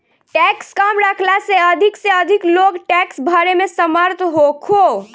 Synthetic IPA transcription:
ʈɛkskamɾəkʰlaseəd̪ʱikseəd̪ʱikloɡʈɛksbʱaɾemẽsəməɾt̪ʰɦokʰo

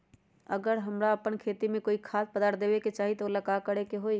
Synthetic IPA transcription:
əɡəɾɦəmɾaəpənkʰeːt̪imẽkoːikʰaːt̪̚pəd̪aːʈd̪eːʋeket͡ʃaːɦit̪ooləkakəɾekeɦoi

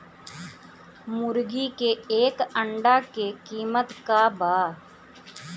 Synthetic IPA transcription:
mʊɾɡikeeːkəɳɖakekiːmət̪kabaː

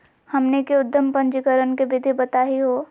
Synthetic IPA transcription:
hɐmnekeʊd̪ːəmpɐ̃ɲd͡ʒikəɾənkebɪd̪ʱibɐt̪aːɦiɦoː

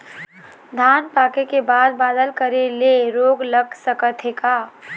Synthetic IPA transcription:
d̪ʱaːnpaːkekebaːd̪̚baːd̪əlkəɾeleɾoːɡləɡsəkət̪ʰekaː

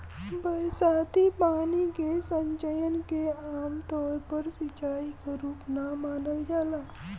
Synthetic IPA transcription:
bəsat̪ipaniɡesəɲt͡ʃəjənkeamt̪ɔɾpəɾsit͡ʃaikaɾuːpnamanəld͡ʒala

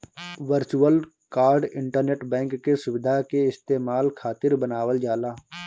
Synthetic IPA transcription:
ʋəɾt͡ʃuəl | kaːɾɖɪ̃ɳʈəɾneːʈbɛ̃ːŋkːesʊʋɪd̪ʱakeɪst̪eːmaːlkʰaːt̪ɪɾbənaːwəld͡ʒaːlaː

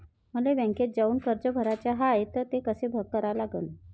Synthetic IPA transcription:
məleʋɛ̃ŋket̪̚d͡zauːnkəɾd͡zəbʱəɾat͡ɕjaɦaet̪əɾt̪ekəsebʱəɡ̚kːəɾaʋlaɡə̰n

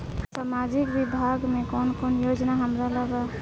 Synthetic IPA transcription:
samad͡ʒikbibʱaɡmekɔnkɔnjod͡ʒnaɦəmɾaləba

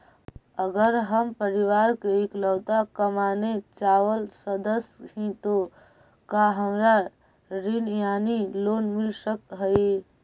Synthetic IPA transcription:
əɡəɾɦəmpəɾiʋaɾkeikləwt̪akəmanet͡ʃawəlsəd̪əsɦĩt̪o | kaɦəmɾa | ɾinjanilonmilsəkɦəj

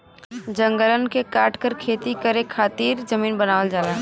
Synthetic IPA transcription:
d͡ʒə̃ŋɡələnkekaːʈʰkəɾkʰeːt̪ikəɾekʰaːt̪iːɾd͡ʒəmiːnbənaːʋəld͡ʒaːlaː

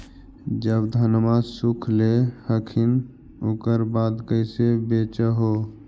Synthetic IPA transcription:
d͡ʒəbd̪ʱənmasukʰlehəkʰin | okəɾbaːd̪kəɪsebet͡ʃəɦo

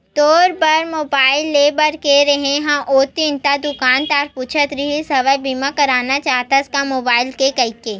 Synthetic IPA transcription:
t̪ɔːɾpɐɾmoːbaːɪlːeːbəɾkeɾɐɦẽɦãʔoːt̪int̪ad̪ʊkaːnt̪aːɾpuːt͡ʃʰət̪ɾiɦisɐʋəjbimakɐɾaːnat͡ʃaːɦt̪aɪskamoːbaːɪlkekɐikeː

